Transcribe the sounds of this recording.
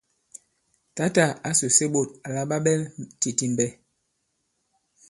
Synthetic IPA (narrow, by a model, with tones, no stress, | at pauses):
ta˦ta˦˨a˦so˨se˦ɓo˨t̚a˨la˦ɓa˦ɓɛ˦lti˨ti˨m˨bɛ˦